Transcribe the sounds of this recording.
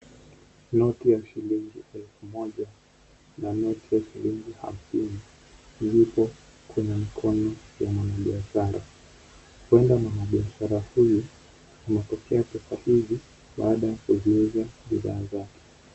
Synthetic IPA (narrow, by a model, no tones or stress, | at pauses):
nɔtijaʃiliŋɡiɛlfumɔʄa | nanɔtijaʃiliŋɡiha̰m̩sini | zipɔ | kwɛɲɛmikʰɔnɔjamwanaɓiaʃaɾʔa̰ | huwɛndamwanaɓiaʃaɾahuju | imɛtɔkɛapɛsahivi | ɓa̰ːɗajakuzuizaɓiða̰ːzakɛ̥